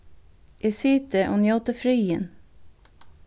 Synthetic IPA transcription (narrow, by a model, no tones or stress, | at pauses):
ʔɪsiːt̪əʔʊnjoːt̪əfɾyːən